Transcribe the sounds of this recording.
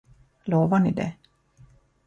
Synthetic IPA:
loːvaɳɪ̰d̪ɛ̰

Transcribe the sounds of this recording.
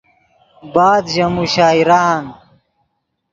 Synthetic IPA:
baːd̪ʑɐmuɕaːiɾaːn

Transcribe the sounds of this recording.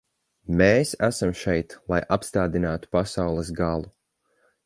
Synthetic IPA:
meːsæsamʃɛjt̪lˠajʔapst̪aːd̪inaːt̪u̥pasawlˠəsɡalˠu

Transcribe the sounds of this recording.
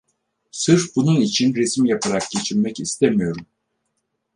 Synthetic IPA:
sɯɾbununit͡ʃʰinɾe̞simjapʰaɾak̚ɟ̥e̞t͡ʃʰiɾmɛcist̪ʰemijo̞ɾum

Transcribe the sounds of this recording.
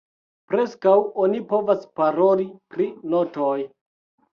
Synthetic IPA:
pɾe̞skawonipo̞vaspaɾo̞lipɾinotoj

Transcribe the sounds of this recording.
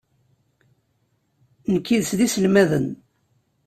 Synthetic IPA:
nəkːiðsðisəlmæðən

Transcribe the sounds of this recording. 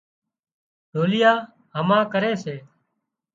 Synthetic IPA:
ɖʱoːlɪjaː | ɦəmãːkəɾeːseː

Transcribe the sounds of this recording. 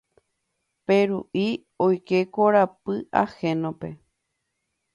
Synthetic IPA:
peɾuʔi | ojke̞koɾapɨa̰hẽnõpe̞

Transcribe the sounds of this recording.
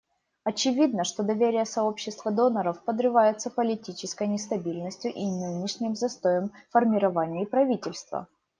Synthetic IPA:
ɐt͡ɕɪvʲid̪nəʂt̪o̞d̪ɐvʲeɾʲɪjəsɐo̞pɕːɪst̪vəd̪o̞nəɾəfpəd̪ɾɨvajʊt̪sːəpəlʲɪtʲit͡ɕɪskəjnʲɪst̪ɐbʲilʲnəsʲtʲjʊʔinɨnʲɪʂnʲɪmzɐst̪o̞jəmfərmʲɪɾɐvanʲɪpɾɐvʲitʲɪlʲst̪və̰

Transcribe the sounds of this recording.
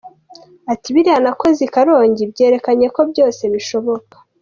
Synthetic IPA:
atiβiɾianako̞zikaɾo̞ːɲɟibɟe̞ːɾe̞kaɲe̞ko̞bɟo̞ːse̞βiʃo̞βo̞kḁ

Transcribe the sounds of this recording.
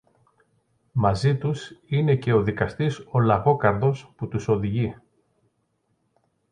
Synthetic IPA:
mɐzit̪usine̞ce̞o̞ðikɐst̪iso̞lɐɣo̞kɐɾðo̞sput̪uso̞ðiʝi

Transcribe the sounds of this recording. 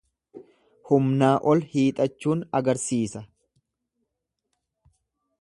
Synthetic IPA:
hʊmnaːʔɔlhiːt̪ʼɐt͡ʃːuːnɐɡɐɾsiːsɐ

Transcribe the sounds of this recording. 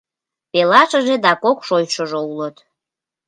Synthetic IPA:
pelɑʃəʒed̪ɑkokʃojʃəʒoulət̪

